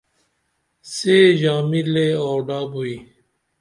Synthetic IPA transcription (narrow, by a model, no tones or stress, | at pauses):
seːʑaːmileːoːɖaːbuiː